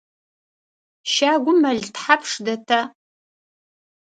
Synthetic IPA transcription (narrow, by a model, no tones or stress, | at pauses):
ʃaːɡʷʊmɐɮtħapʰʂdɐtʰɐ